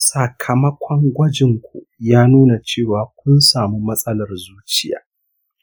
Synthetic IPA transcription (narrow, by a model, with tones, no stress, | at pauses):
sɐ˨kʰɐ˨mɐ˦kʷʰɔ˦ŋɡʷɐ˦d͡ʒɪ˨ŋkʷʰṵ˨jaː˦nuː˦na˨t͡ʃeː˦˨waː˨kʷʊ˦nsaː˨mi˦mɐ˦sʼɐ˦lɐ˨rzuː˦t͡ʃɪ˦ja̰ː˨